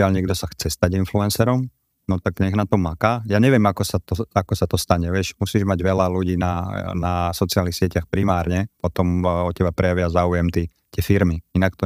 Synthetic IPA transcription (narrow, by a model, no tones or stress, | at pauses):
ɪalɲɛɡd̪ɔsaxt͡sɛst̪aɟinfluɛnsɛɾɔm | nɔt̪aɡɲɛɣnat̪ɔmakaːjaːɲɛʋɪɛmakɔsat̪ɔakɔsat̪ɔst̪aɲɛʋɪɛʃmusiːʒmaɟʋɛlaluɟiːnanasɔt͡sɪaːlnixsɪɛcaxpɾimaːɾɲɛpɔt̪ɔmɔcːɛbapɾɛjaʋɪazaːujɛmt̪iː | t̪ɪɛfiɾmiinak̚t̪ɔ